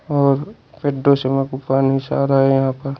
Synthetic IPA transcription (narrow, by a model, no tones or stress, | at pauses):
ɔːɾ | peɖːosemẽkupaːnɦɪsaːɾaɦɛjɐɦãːpəɾ